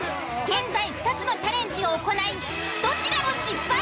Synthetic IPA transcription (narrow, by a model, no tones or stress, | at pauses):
ɡẽ̞nd͡zaiɸɯ̟̥t̪at͡sɨno̞t͡ɕaɾẽ̞ɲd͡ʑiɡaoko̞nai | d̪̥o̞t͡ɕiɾamo̞ɕipːa